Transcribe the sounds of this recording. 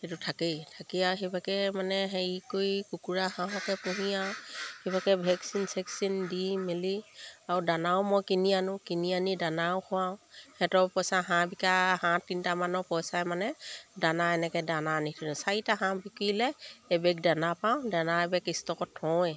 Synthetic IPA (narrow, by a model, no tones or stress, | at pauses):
etutʰakitʰakiaɦebʱakɛmanɛɦekojkukuɹahãɦɔkɛpʊ̃ɦijahebʱakɛbʱɛksinsɛksindimeliaɹudanawmɔjkinijanʊ̃kinianidanawkʰʊãhɛtɔpɔjsaɦãbikahãtintamanɔpɔjsajmanɛdanaɛnɛkɛdananitʰinsaɹitaɦãbikuilɛːbɛk̚danapaw̃danaɛbɛkistɔkɔtʰːɔɛ